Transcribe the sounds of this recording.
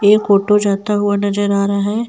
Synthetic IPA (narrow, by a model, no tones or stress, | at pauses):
eːkkoːʈod͡ʒaːt̪aɦʊanɐd͡ʒəɾaːɾaɦɛː